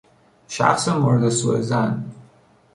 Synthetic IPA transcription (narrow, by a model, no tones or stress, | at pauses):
ʃæ̰xsemoɾed̪esuezæn